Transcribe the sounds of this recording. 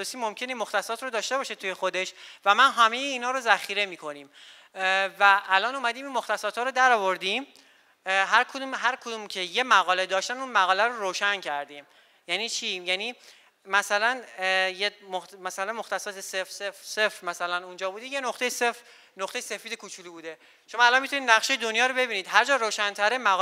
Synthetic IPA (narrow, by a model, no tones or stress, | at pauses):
osimo̞mcʰe̞nimoxt̪æsɒːt̪ʰɾod̪ɒːʃt̪e̞bɒːʃet̪ʰuje̞xo̞d̪e̞ʃvæmænɦæmejeiːnhɒːɾozæxiːɾe̞miːkʰo̞niːm | væʔːlɒːnuːmæd̪iːminmo̞xt̪æsɒːt̪hɒːɾod̪æɾɒːvo̞ɾd̪im | ɦæɾkʰod̪uːmɦæɾkʰod̪umcʰe̞je̞mæɣɒːled̪ɒːʃt̪ænunmæɣɒːlæɾoɾoːʃæncʰæɾd̪iːm | jæniːt͡ʃʰijæniː | mæsælænjemomæsælænmo̞xt̪æsɒːt̪ʰesefsefsefɾmæsælænund͡ʒɒːbuːd̪eje̞noxt̪e̞jesef | noχt̪ejese̞fiːd̪e̞kʰut͡ʃʰuːliːbuːd̪e | ʃo̞mɒːælɒnmit̪uniːd̪̚næχʃejed̪o̞njɒːɾobe̞biːniːd̪ɦæɾd͡ʒɒːɾoːʃænt̪ʰæɾemæɣ